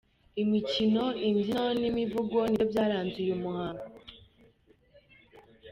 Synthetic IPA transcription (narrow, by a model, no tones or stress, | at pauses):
imicino̞iɲɟinonimivuɡwonibjaːɾaːnzujumuhaːŋɡoo